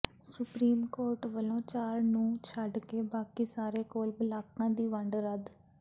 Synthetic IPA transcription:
sʊpɾiːmkoːɾʈʋəlõːt͡ʃaːɾnũːt͡ʃʰəɖkeːbaːkiːsaːɾeːkoːlbəlaːkãːd̪iːʋəɳɖɾəd̪

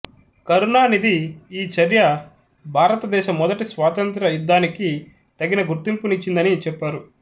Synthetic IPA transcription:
kɐɾunaːnid̪iːt͡ʃɐɾjɐ | bʱaːɾɐt̪ɐd̪ɛːʃɐmːɔd̪ɐʈisʋaːt̪ɐnt̪ɾɐjud̪ːaːniki | t̪ɐɡinɐɡuɾt̪impunit͡ʃːind̪ɐnit͡ʃɛpːaːɾu

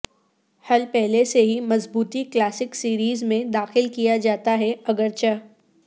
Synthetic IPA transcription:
hɐlpɛɦleseɦimɐzbuːt̪iklaːsɪksiːɾiːzmẽd̪aːxɪlkijad͡ʒaːt̪aɦɛɐɡəɾt͡ʃa

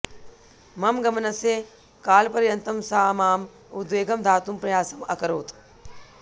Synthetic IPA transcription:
mɐmɡɐmnɐseː | kaːlpɐɾjɐnt̪ɐmsaːmaːm | ud̪ʋeːɡɐmd̪ʱaːt̪umpɾɐjaːsɐmɐ̰kɐɾoːt̪

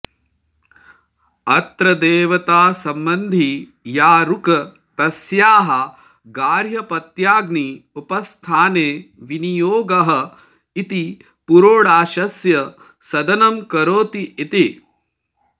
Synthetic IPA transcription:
ɐt̪ɾɐd̪eːʋɐt̪aːsɐmbɐnd̪ʱi | jaːɾukɐ | t̪ɐsjaːɦɐ | ɡaːɾjɐpɐt̪jaːɡniupɐst̪ʰaːneːʋinijoːɡɐɦɐ̆ | it̪i | puɾoːɽaːʃɐsjɐ | sɐd̪ɐnɐmkɐɾoːt̪iit̪e

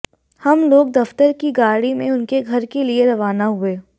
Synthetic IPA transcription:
hɐmloːɡ̚d̪ɐft̪əɾkiɡaːɽimẽʊnkeɡʱɐɾkelieɾɐʋaːnaɦʊeː

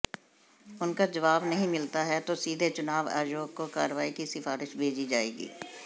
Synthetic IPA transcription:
ʊnkad͡ʒɐʋaːbnɐɦĩmɪlt̪aɦɛt̪osiːd̪ʱet͡ʃʊnaːʋa̰ːjoːɡkokaːɾəʋaːikisɪfaːɾɪʃbʱeːd͡ʒid͡ʒaːḛːɡḭː

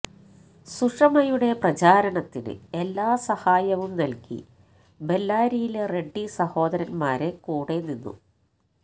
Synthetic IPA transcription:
suʂɐmɐjuɽe̞prɐt͡ɕaːɾɐɳɐt̪ːinɨ̰e̞lːaːsɐhaːjɐʋumnɐlkḭ | be̞lːaːɾijilere̞ɖːisɐho̞ːd̪ɐɾɐnmaːɾe̞kuːɽe̞ninːṵ

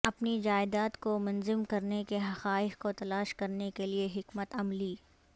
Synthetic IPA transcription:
ɐpnid͡ʒaːɪd̪aːt̪komʊnzɪmkɐɾnekeɦɐxaːɪxkot̪ɐlaːʃkɐɾnekelieɦɪkmət̪ɐmliː

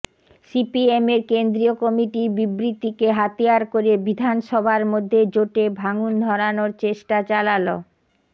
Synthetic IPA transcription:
sipiemeɾkend̪ɾiokɔmiʈiɾbibɾit̪ikeɦat̪ijaɾkoɾebid̪ʱanʃɔbʱaɾmod̪ʱːed͡ʑoʈebʱaŋund̪ʱɔɾanoɾt͡ɕeʃʈat͡ɕalalo

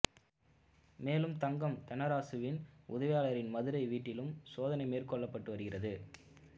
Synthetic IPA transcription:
meːlɯmt̪ɐŋɡɐmt̪ɐnɐɾaːsɯʋɪnʊðɐʋɪjaːlɐɾɪnmɐðɯɾɐɪʋiːʈːɪlɯmsoːðɐnɐɪmeːrkɔɭːɐpːɐʈːɯʋɐɾɯɣɪrɐðɯ

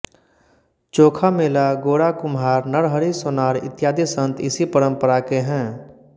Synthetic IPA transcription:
t͡ʃoːkʰameːlaɡoːɽakʊmɦaːɾnəɽɦəɾisʊnaːɾɪ̰t̪jaːd̪isə̃nt̪ʰɪsipəɾə̃mpəɾakeɦɛ̃ː

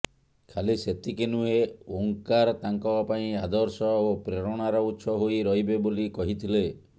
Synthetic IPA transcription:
kʰaliset̪ikenueoŋkaɾɔt̪aŋkɔbapaĩad̪ɔɾsɔopɾeɾɔɽ̃aɾɔut̪ːsʰɔɦoiɾɔɦibebolikɔɦit̪ʰile

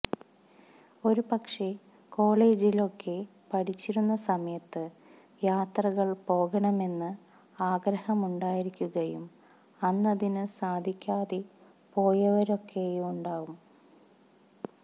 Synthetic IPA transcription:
o̞ɾupɐkʂe̞ | ko̞ːɭe̞ːd͡ʑilo̞kʰːe̞ | pɐʈit͡ɕːiɾunːɐsɐmɐjɐt̪ːɨ | jaːt̪rɐɣɐɭpo̞ːɣɐɳɐme̞nːɨ | aːɡɾɐhɐmuɳɖaːjiɾikʲːuɣɐjum | ɐnːɐðinɨsaːd̪ʱikʲːaːðe | po̞ːjɐʋɐɾo̞kːe̞jmuɳɖaːʋum

